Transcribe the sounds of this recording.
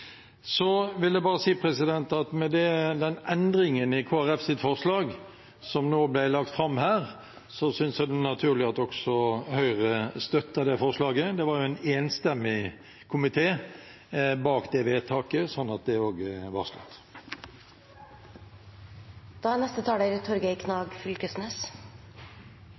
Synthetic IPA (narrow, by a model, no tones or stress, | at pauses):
sɔʋɪld̪ɛbɑːɾəsiːpʰʁɛsɪd̪ɛnt̪ɑt̪mɛd̪ɛd̪ɛnɛnd̪ɾɪŋənɪkʰoːæʁɛfsɪt̪fɔʁʂlɑːɡ | sɔmnoːblæɪlɑk̚t̪fɾɑmːhæːʁ | sɔsʏnsjæd̪ɛnɑt̪ʰʉːʁlɪɑt̪ɔksɔhœʏʁəst̪œt̪ːəd̪ɛfɔʁʂlɑːɡəd̪ɛʋɑɾjʊɛɪneːnst̪ɛmːɪ | kʰʊmɪt̪ʰeː | bɑːkd̪ɛʋeːt̪ʰɑːkəsɔnːɑt̪̚d̪ɛoːɡʋɑʁʂlœ̰t̪ː | d̪̥ɑːænɛst̪ət̪ʰɑːd̪eɾt̪ʰɔɾɡəɪkʰnɑːɡfʏlkəsneːs